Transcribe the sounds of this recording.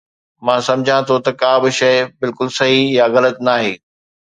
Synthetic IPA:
mãːsɐ̃md͡ʑʱãt̪ʰot̪ɐkaːbɪʃɐɪbɪlkʊlsɐɦijaɣɐlət̪naːɦeː

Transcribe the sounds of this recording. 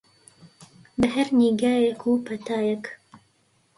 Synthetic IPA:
bɐɦɛɾniɡaːjekʰupʰɐt̪ʰaːjɛk

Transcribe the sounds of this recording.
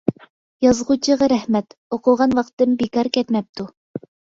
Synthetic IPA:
jɑzʁut͡ʃʰɤ̆ʁɤɾæhmæt̪oquʁɑnwɑqt̪ɤmbikɑɾkɛt̪mæp̚t̪u

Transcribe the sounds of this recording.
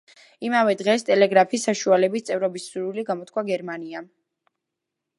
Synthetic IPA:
imavɛd̪ʁɛst̪ʼɛlɛɡɾapʰisːaʃualɛbist̪sʼɛvɾɔbisːuɾiliɡamɔt̪ʰkʰwaɡɛɾmania

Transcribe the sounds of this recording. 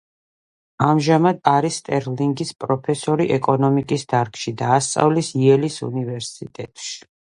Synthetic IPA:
amʒamad̪aɾist̪ʼɛɾliŋɡispʼɾɔpʰɛsɔɾiʔɛkʼɔnɔmikʼisd̪̥aɾkʰʃid̪aːst̪sʼa̰vlisiɛlisṵnivɛɾsit̪ʼɛ̰t̪ʼʃi̥

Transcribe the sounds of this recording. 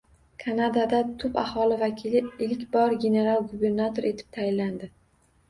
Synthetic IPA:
kʰanad̪ad̪at̪ʰʊpahɒlɪvakʲʰilɪɪlkʲbɒɾɡʲe̞ne̞ɾalˠɡube̞ɾnat̪ʰo̞ɾʔe̞t̪ʰɪ̥p̚t̪ʰajɪlːand̪ɪ

